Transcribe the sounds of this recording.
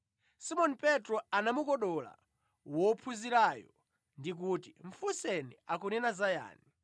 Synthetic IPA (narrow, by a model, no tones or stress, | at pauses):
simɔnipɛtɾɔanamukɔɗɔla̰ | wɔpʰuziɾaːjɔ | ndik̬utiɱfusɛniakunɛnazaja̰ːni